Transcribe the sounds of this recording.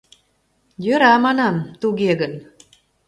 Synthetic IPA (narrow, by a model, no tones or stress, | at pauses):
jøɾɑmɑnɑmt̪uɣeɣən